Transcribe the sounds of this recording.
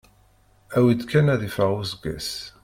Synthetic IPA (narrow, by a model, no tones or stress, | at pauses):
æwid̪kænæðifəʁuzəɡæ̰s